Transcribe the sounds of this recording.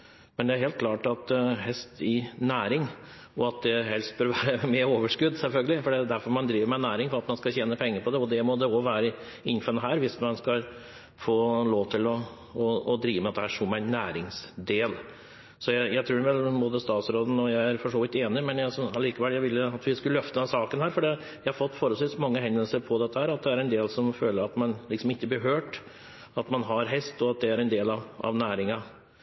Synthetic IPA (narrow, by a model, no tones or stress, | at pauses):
mɛnd̪ɛæɾɦeːlt̪̚klɑːʈɑt̪ɦɛst̪ɪnæːɾɪŋ | ɔɑt̪̚d̪ɛɦɛlst̪̚bøːɾʋæːɾəmeːɾoːʋəʂkʉd̪ːsɛlfœlɡəlɪfɔɖɛd̪æɾfɔɾmɑnd̪ɾiːʋəɾmæɪnæːɾɪŋfɔɾɑt̪mɑnskɑçeːnəpʰɛŋːəɾpʰɔd̪ɛɔd̪ɛmɔd̪ɛɔʋæːɾə | ɪnfənəɦæːɾʋɪsmɑnskɑ | foːloːʋt̪ʰɪlɔ | ɔːd̪ɾiːʋəmɛɑt̪d̪ɛhæʂʊmːæɪnːæːɾɪŋsd̪eːl | sɔjæɪjæɪt̪ʰɾuːɖɛʋɛlboːd̪əst̪ɑːt̪sɾoːd̪n̩ɔjæɪæɾfɔʂoːʋɪt̪eːnɪmɛnjæsɔɑliːkəʋɛljæɪʋɪlːəɑt̪ʋɪskʉlœft̪əd̪ɛnsɑːkənhæːɾfɔɖiː | jæɪhɑɾfɔt̪ːfɔːɾəlsʋiːsmɑŋːəhɛnd̪əlsəɾpʰɔd̪ɛt̪ːəhæːɾɑt̪̚d̪ɛæɾɛnd̪eːlsɔmføːləɾɑt̪mɑnlɪksɔmɪtːəb̪ɪɾɦøːʈ | ɑt̪mɑnɦɑɾɦɛst̪ɔɑt̪̚d̪ɛæɾɛnd̪eːlɑʋɑ̰ʋnæːɾɪŋɑ